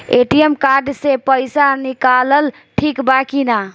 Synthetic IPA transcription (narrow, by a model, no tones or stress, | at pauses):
eʈijemkaɾɖsepəjsanikaləl | ʈʰikbakina